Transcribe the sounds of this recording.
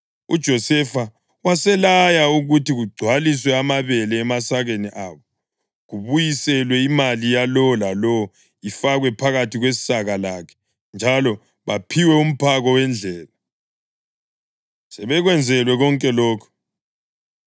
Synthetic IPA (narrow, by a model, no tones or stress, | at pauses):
ṵd̥ʒ̥ʱɔsɛfa | wasɛlajauɣutiɣuɡ͡ǀʱwaliswɛamaβɛlɛːmasaɣeniʔaːβɔ | ɣuβujisɛlwɛimalijalɔɔlalɔɔ | ifaɣwɛpʰaɣatʰiɣwessaɣalaːkʰɛ̥ | nd͡ʒʱalɔ | βapʰiwɛum̩pʰaɣɔwɛnd͡ɮʱɛːla | sɛβɛɣwɛnd͡zʱɛlwɛɣɔŋkʼɛlɔːkʰɔ̥